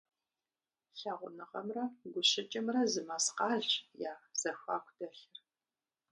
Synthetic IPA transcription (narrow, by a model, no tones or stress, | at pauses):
ɬaːʁʷʊnɨʁɐ̰mrɐɡʷʊɕɪt͡ʃʼɪmrɐzɨmasqɑːɮjaːz̥ɐxʷa̰ːkʷʰd̥ɐɬɨr